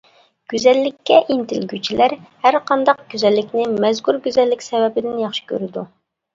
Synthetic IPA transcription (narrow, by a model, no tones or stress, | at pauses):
ɡ̥ʲyzɛlːɪkʲːɛʔint̪ʰɪlɡʲyt͡ʃʰilæɾhæɾqɑnd̪ɑq̚ɡ̥ʲyzɛlːɪkʲnɪmɛzkʲuɾɡʲyzɛlːɪkʲsɛwɛbɪd̪ɪnjɑχʃɪ̥kʲʰø̰ɾɪd̪u